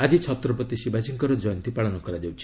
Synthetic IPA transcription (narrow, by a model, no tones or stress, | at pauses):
ad͡ʒit͡ʃʰɔt̪ɾɔpɔt̪isibasiŋkɔɾɔd͡ʒɔjɔnt̪ipaɭɔnɔkɔɾad͡ʒawt͡ʃʰi̥